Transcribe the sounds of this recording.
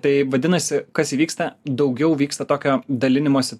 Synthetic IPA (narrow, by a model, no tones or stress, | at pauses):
t̪ɐɪʋɐd̪ʲɪnɐsʲɪkɐsiːʋʲiːkst̪ɐd̪ɐʊɡʲɛʊʋʲiːkst̪ɐt̪oːkʲoːd̪ɐlʲɪnʲɪmoːsʲɪ